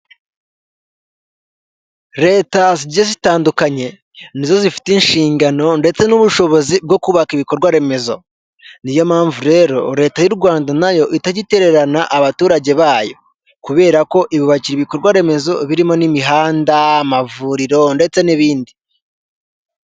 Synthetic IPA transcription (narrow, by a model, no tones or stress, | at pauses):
ɾe̞ːtaziɟezitaːndukaɲe̞ | nizo̞zifi̥tinʃiːŋɡano̞nde̞t͡se̞nuβuʃo̞βo̞zib̚ɡo̞kuβakiβiko̞ɾɡwaɾe̞me̞zo̞ | nijo̞maːɱvuɾe̞ɾo̞̰ɾe̞ːtajuɾɡwaːndanajo̞ʔitaɟite̞ɾe̞ɾanaʔaβatuːɾaɟe̞βaːjo̞̰ | kuβe̞ːɾako̞ʔiβiβaciɾiβiko̞ɾɡwaɾe̞me̞zo̞βiɾimo̞nimiɦaːndaːmavuːɾiɾo̞nde̞t͡se̞niβiːndi